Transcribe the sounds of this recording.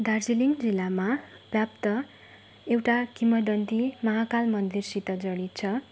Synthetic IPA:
d̪ard͡ziliŋd͡zilːamabjab̚t̪ʌ | ewʈakimʌɖʌnt̪imʌɦakalmʌnd̪irsit̪ʌd͡zʌɽ̃it͡sʰʌ

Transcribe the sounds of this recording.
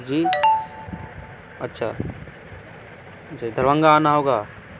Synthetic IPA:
d͡ʒiː | ɐtːʃʰa̰ | d͡ʒid̪ʱəɾʋə̃ŋɡaaːnaɦoːɡaː

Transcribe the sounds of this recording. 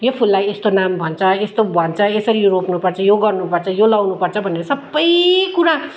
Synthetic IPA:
jopʰulːajest̪onambʱʌnt͡sʰʌest̪obʱʌnt͡sʰʌesʌɾioɾopnupʌrt͡sʰʌjoɡʌrnupʌrt͡sʰʌjolʌwnupʌrt͡sʰʌbʱʌneɾʌsʌbːʌjkuɾa

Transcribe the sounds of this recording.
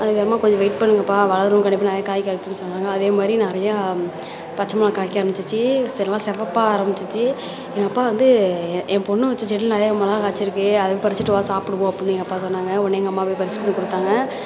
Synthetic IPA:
ɐðɯkːɐɾɐmaːkɔɲd͡ʒɔ̃ʋɐɪʈ̚pɐɳːɯŋɡɐpːaːʋɐlɐɯɾɯ̃mkɐɳɖɪpːanɛɾɐjakaːjkːaːkːɯnːɯsɔnːaːŋɡɐːðeːmaːd̪ɾinɛɾɐjaː | pɐt͡ʃːɐmɐlãːkaːjkːɪaːɾɐmbɪt͡ʃːɯt͡ʃːɯsɛnɐlãːsɛɾʋɐpːaaːɾɐmbɪt͡ʃːɯt͡ʃːɯ | ɛŋɡɐpːaːʋɐnd̪ɯɛ̃ɐpɔɳːɯʋɐt͡ʃːɯt͡ʃːɛɽɪlnɐɾɐjaːmɐlakaːt͡ʃːɪɾɯkːɯɐðɐepɐɾɪt͡ʃːɪʈːɯʋaːsaːpɽɯpõːɐpːnːɯɛɡɐpːaːsɔnːaːŋɡɐɔɳːeɛŋɡɐmːaːpojpɐɾɪsɯ̥ʈːɯnɯkʊɽɯt̪ːaːŋɡɐ

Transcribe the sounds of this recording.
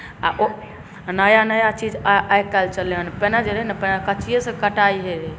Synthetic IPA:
aʔo | nəjanəjat͡ʃid͡ʒaajkalt͡ʃəleɦənpɛnad͡ʒeɾenəpɛnakət͡ʃijesẽkəʈaiɦɛ

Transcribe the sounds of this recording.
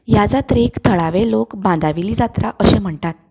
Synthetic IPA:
jad͡zat̪ɾikt̪ʰəɭaʋelokbãnd̪ʱaʋiliːd͡zat̪ɾa̰ʔəɕem̤əɳt̪at̪̚

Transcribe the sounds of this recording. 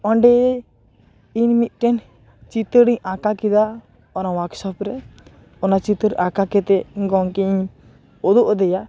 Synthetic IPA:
ɔɳɖɛ | inmit̪̚ˀʈɛn | t͡ʃit̪əɽiɲakakid̪a | ɔnawaksɔpɾɛ | ɔnat͡ʃit̪əɾʔakakɛt̪ɛɡɔŋki | ɔd̪ɔʔd̪ɛja

